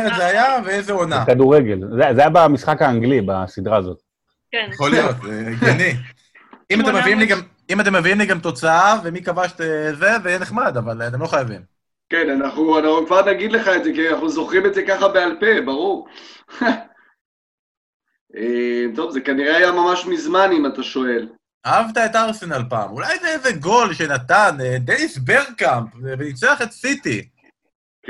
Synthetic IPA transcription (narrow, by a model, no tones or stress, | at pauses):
eetzeajaveezeo̞nakad̪uʁeɡelzezajabamisχakaːŋɡlibasid̪ʁaːzo̞t̪ | jeχo̞lijo̞t̪zeɡani | imat̪emeviimliɡam | imat̪̬emːeviimliɡamt̪o̞t͡saave̞mikavaʃt̪eze̞vejɛneχmad̪avalat̪̬e̞mlo̞χajavim | kenanaχnuanaχnukvaʁnaɡid̪le̞χaedzekianaχnuzo̞χʁimedzekaχabe̞alpebaʁuʁ | ʔemt̪o̞vzekaniʁeajamamaʃmizmanimat̪aʃo̞e̞l | aavt̪aet̪aʁsenalpa̰ːmulajzezeɡo̞lʃenat̪aned̪enisbeʁkampvenit͡seaχet̪sit̪i | k